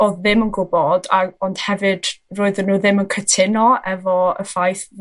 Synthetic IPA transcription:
ɔðɪmənɡʊbɔdaɔnd̥hɛvɨd̥roːɨðənːuːðɪmənkʰətʰɪnɔɛvɔə̰fajθ

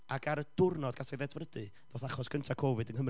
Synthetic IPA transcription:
aɡaɾəd̥ʊrnɔdɡ̥atʰɔjðɛdvrədɨ | voːθaχɔsɡ̥ʰəntʰakʰɔvɨdənhəm

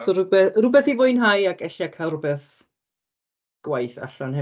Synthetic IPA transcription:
sɔɾʊbɛrʊbɛθivʊjnɦajakʰɛɬiakʰarʊbɛθ | ɡ̥wajθa̰ɬanhɛ

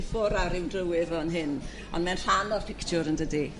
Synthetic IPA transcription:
fʊɾaɾɪwdrəwɪðɔnɦɪn | ɔ̰nmɛnr̥aːnɔrfɪktʰjʊɾəndədi

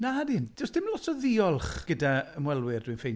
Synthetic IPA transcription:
naadɪnd̥ɔsd̥ɪmlɔtʰɔðiɔlˠχɡ̥ədaəmwɛlˠwɪrdwinfejn

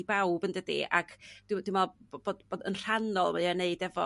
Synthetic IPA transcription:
bawbəndədḭʔa̰kʰd̥dwɪmalˠbboːdboːdənr̥anɔlˠmajaneɨdɛvɔ̰

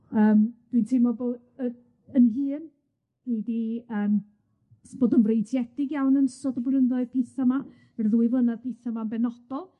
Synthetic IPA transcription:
əːmd̥wintʰɪmɔboː | ə | ənɦɨːn | hidiəːm | b̥oːdənvrejtʰjɛd̥ɪɡjawnənsɔdɔbrənðɔɨ̥pʰɪθama | ərðuːɨvˠənaðpʰɪθamanbɛnɔd̥ɔlˠ

